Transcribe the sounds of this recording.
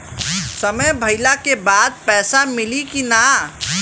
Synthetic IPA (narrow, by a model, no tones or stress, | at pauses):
səməjbʱəɪlakebad̪̚pɛːsamilikina